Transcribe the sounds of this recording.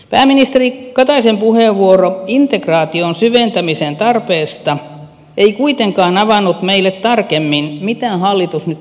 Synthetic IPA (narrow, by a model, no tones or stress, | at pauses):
pæ̰ːmːinist̪erikɑt̪ɑisempuheʋʋuoroint̪ekrɑːt̪ionsyʋent̪æmisent̪ɑrpeːst̪ɑ | eikuit̪eŋkɑːnɑʋɑnːut̪meilːet̪t̪ɑrkemːinmit̪æːnhɑlːit̪usnyt̪